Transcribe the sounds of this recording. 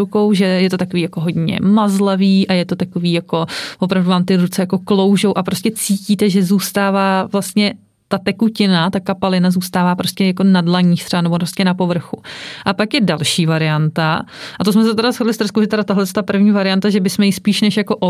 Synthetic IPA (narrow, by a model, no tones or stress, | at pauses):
uko̞wʒɛjɛt̪o̞t̪akoviːjakoɦo̞dɲɛ̰mazlaviːʔajɛt̪o̞t̪ako̞viːjako̞vop̬ɾavduvaːmt̪ɪɾut͡sɛjako̞klo̞wʒo̞wʔapɾoscɛt͡siːciːt̪ɛʒɛzuːst̪aːvaːvlast̪ɲɛ | t̪at̪ɛkucɪnat̪akapalɪnazuːst̪aːvaːpɾoscʲɛjakonadlaɲiːxt̪rɛanɛbopɾost̪̚cɛnapo̞vr̩xuʔapakjɛdalʃiːvaɾɪant̪aʔat̪os̬mɛs̬ɛt̪ɛɾasxodlɪst̪ɾr̩skowʒɛt̪ɛɾat̪aɦlɛst̪apr̩vɲiːvaɾɪjant̪aʒɛbɪsmɛjɪspiːʃnɛʃjako̞ʔo